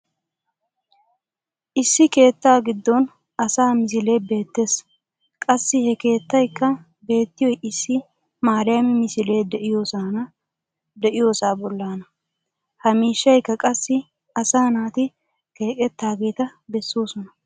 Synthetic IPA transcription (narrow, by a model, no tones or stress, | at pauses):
ʔɪsːɪke̞ːt̪ːaːɡɪd̪ːɔn | ɐsaːmɪs̬ɪle̞ːbe̞ːt̪ːe̞ːs | kʼɐsːɪhɛke̞ːt̪ːɐjkːɐ | be̞ːt̪ːɪjɔjʔɪsːɪ | maːɾɪjɐmɛmɪsɪle̞ːd̪ɛʔɪjoːsaːnɐ | d̪ɛʔɪjoːsaːbɔlːaːnɐ | hɐmiːʃːɐjkːɐkʼɐsːɪ | ɐsaːnaːt̪ɪ | ke̞ːkʼɛt̪ːaːɡe̞ːt̪ɐbɛsːoːsɔnɐ